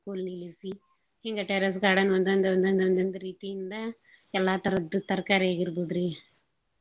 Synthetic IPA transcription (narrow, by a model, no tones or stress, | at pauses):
koːlnilisi | iŋɡɐʈɛɾɐs̬kaːɽɐnʋɐnd̪ɐnd̪ɐɐnd̪ɐnd̪ɐnd̪ɐnd̪ɐɾiːt̪ːijɪnd̪ɐ | ɛlːaːt̪ɐɾɐd̪ːɯt̪ɐɾkaːɾeːɣɪɾbuðɾi